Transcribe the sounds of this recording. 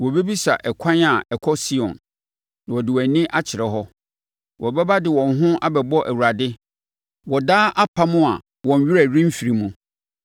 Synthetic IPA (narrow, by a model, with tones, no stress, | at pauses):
wɔ˨be˦bi˦sa̰˨ʔɛ˨kʷʰã˦na˨ɛ˨kʷʰɔ˦si˦ɔ̰̃˨nː | ã˨wɔ˨dɪ˨wæ˨nĩ˦ʔa˦t͡ɕʰɪ˨ɾɛ˨ɦɔ˦ | wʔɔ˨bɛ˦ba˦dɪ˨wɔ̃˨nɦʊ̃˦ʔa˦bɛ˨bɔ˦ʔæ˨wu˨ɾa˨dɪ˦ | wɔ˨daː˦ʔa˦pʰa˦mʊ̃˦a˨ | wɔ̃˨n˨ɥɪ˦ɾæ˨ɾĩ˦m̩˦fi˨ɾi˨mũ˨